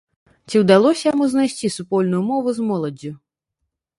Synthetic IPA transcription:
t͡sʲiwd̪alˠɔsʲɐjamuznajsʲt͡sʲisupɔlʲnujumɔvuzmɔlˠɐd͡zʲːu

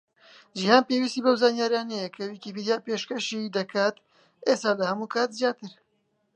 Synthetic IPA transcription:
ʒihaːnpeːwiːst̪iːbɐwzaːnjaːɾijaːnɛjɛkʰɐwiːkipiːd̪ijaːpeːʃkɐʃid̪ɐkʰaːt̪ | ʔeːst̪aːlɐhɐmuːkʰaːt̪zjaːt̪ɨɾ

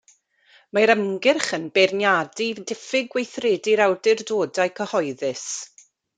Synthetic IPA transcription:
maɾəmɡɪrχənbernjadidɪfɪɡwejθreːdiɾawdɪrdoːdajkʰəhɔɨðɪs

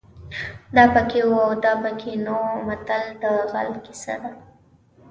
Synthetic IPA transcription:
d̪ɑpəkewawd̪ɑpəkʰenomat̪ald̪əɣa̰lkɪ̥sa̰d̪a

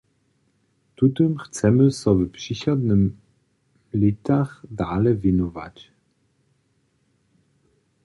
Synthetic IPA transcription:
t̪ut̪ɨmxt̪t͡ssɛmɘsɔvɛpʂiɕɔd̪nɘm | lʲit̪axd̪alɛvʲinɔva̰t͡ɕ

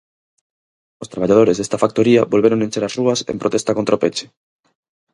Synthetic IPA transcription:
ost̪ɾaβaʎað̞oɾezðest̪afak̚t̪oɾiaβolβeɾoŋent͡ʃeɾasruɐsḛmpɾot̪est̪akont̪ɾaopet͡ʃe̥

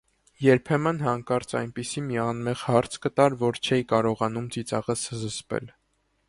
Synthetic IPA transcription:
jɛɾpʰɛmənhɑŋkɑɾt͡sʰɑ̰jnpisimiɑnmɛʁhɑɾt͡sʰkət̪ɑɾvɔɾt͡ʃʰɛjkɑɾɔʁɑnumt͡sit͡sɑʁəszəspɛ̰l

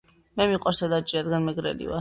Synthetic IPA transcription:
mɛmiqʼwasad̪at͡ʃʼiɾad̪ɡanmɛɡɾɛ̰lḭva̰

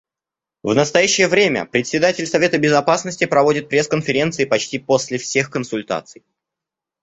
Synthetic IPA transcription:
vnəst̪ɐjæɕːɪjəvɾʲemʲə̰pɾʲɪt̪ʲsʲɪd̪atʲɪlʲsɐvʲe̞t̪əbʲɪzɐpasnəsʲtʲɪpɾɐvo̞dʲɪt̪̚pɾʲe̞skənfʲɪɾʲe̞nt̪sɨɪpɐt͡ɕtʲipo̞sʲlʲɪfsʲe̞xkənsʊlʲt̪a̰t̪sɨj

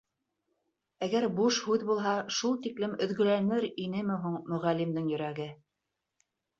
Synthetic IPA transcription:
æɡæɾbuʃhʉðbulˠɦɑʃulˠt̪iklɘmɵ̆ðɡɵ̆lænɘɾinɘmɘ̆ɦuɴmɵ̆ʁælːimd̪ɘŋjɵ̆ɾæɡɘ

